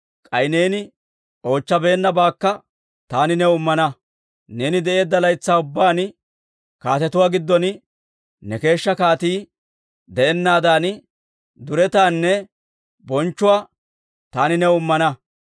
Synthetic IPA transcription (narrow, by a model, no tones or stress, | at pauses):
kʼɐjneːnɪ | ʔo̞ːt͡ʃːɐbe̞ːnːɐbaːkːɐ | t̪aːnɪnɛʊmːɐnɐ | ne̞ːnɪd̪ɛʔe̞ːd̪ːɐlɐjt͡sːaːʊbːaːn | kaːt̪ɛt̪ʊwaːɡɪd̪ːɔn | nɛke̞ːʃːɐkaːt̪iː | d̪ɛʔɛnːaːd̪aːn | d̪ʊɾɛt̪aːnːɛ | bɔnt͡ʃːʊwaː | t̪aːnɪnɛʊmːɐnɐ